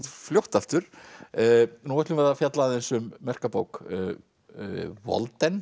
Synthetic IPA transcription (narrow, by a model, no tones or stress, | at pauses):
t̪fljowht̪aft̪ʏɾ̥ | nuːvɛt̪lʏmvɛɾðafjat̪laðɛnsʏmːɛr̥kapoːwk | vɔ̰lt̪ɛn